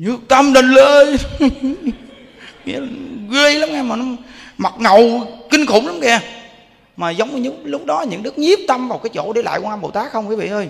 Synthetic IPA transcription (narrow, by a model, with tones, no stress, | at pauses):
ɲɨ˨˦˥ək̚t̪ə˧mɗe˨˩nle˧˩ | ŋḭ˧˥la˨˩ɣe˧jla˨˦mŋa˧maː˨˩n˨˦ma˨˩t̚ŋə˨˩wkï˧ŋ̟xʊ̰˧˩˦ŋ͡mla˨˦mkɛ˧˩ | maː˨˩zə˨˦wŋ͡mlɨ˦˥lʊ˦˥k͡p̚ɗɔ˨˦ɲɨ̰˧˥ŋɗɨ˦˥k̚ɲi˦˥əp̚t̪ə˧mvaː˨˩wkaː˨˦jt͡ɕo̰˧˥ɗe˧˦la̰ː˧˨jkwaː˧nɓo˨˩t̪aː˦˥k̚hə˧wŋ͡mkaː˨˦vḭ˧˨ʔəː˧j